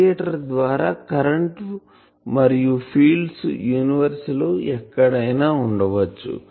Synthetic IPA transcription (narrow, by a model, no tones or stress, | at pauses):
jɐʈɐɾd̪ʋaːɾaːkɐɾɐɳʈ | mɐɾijupʰiːlɖsjuːniʋɐɾsloːʔɛkːɐɽɐjnaːuɳɖɐʋɐt͡ʃːṵ